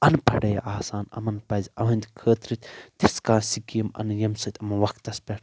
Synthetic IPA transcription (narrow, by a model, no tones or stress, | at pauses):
ɐnpʰɐɽɐj̰ʔaːsaːnɐ̰mɐnpɐzʲɐʋɐnʲd̪ʲkʰəːt̪ɾit̪ʲt̪iskãːsikijɐmɐ̰njɐmsɐt̪ʰʲɐmɐnʋɐkʰt̪ɐspʲɐʈʰ